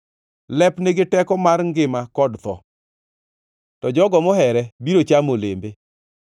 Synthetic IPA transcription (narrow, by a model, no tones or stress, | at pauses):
lɛpneɡɪtɛkɔmarŋɡɪmakɔdt̪ɔ̰ | tɔd͡ʒɔɡɔmɔɦɛɾɛbiɾot͡ʃamolembe